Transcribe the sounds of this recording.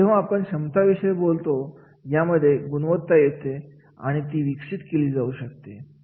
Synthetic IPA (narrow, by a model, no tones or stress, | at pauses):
eʋə̃apəɳɕəmt̪aʋiʂəjbolt̪o | jaməd̪ʱːjeɡunʋət̪ːajet̪e | a̰ɽ̃it̪iːʋikʂit̪keliːd͡zauːɕək̚t̪e